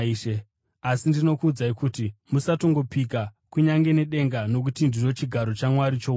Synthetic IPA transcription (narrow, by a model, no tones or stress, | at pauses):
ʃe | asindino̞kuːd͡zaikutimusato̞ŋɡo̞pikakuɲaŋɡe̞ne̞ɗe̞ŋɡano̞k̬utindiro̞t͡ʃiɡʱaɾo̞t͡ʃamwaɾit͡ʃo